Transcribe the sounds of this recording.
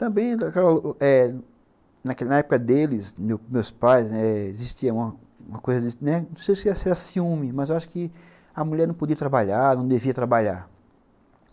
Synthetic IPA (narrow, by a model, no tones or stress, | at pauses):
t̪ɐ̃bẽj̃akɛlɐlʔɛ | nɐknɐɛpʊ̥kɐd̪elɪsmewmewspajsɛeziʃt̪iɐũmɐ | ũmɐkojzɐd͡ʒɪnɛnɐ̃wsejsʊɛsɛɾɐsiũmɪmɐzewaʃʊ̥kɪ | ɐmuʎɛɾnɐ̃w̃pod̪iɐt̪ɾabaʎaɾnɐ̃w̃d̪eviɐt̪ɾabaʎa̰ɾ